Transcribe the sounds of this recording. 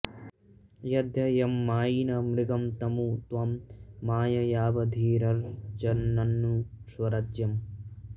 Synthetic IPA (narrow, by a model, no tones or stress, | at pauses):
jɐd̪ʱjɐjɐmːaːjinɐmɾɪɡɐmt̪ɐmuːt̪ʋamːaːjɐjaːʋɐd̪ʱiːɾɐɾd͡ʒɐnːɐnːusʋɐɾɐd͡ʒjɐm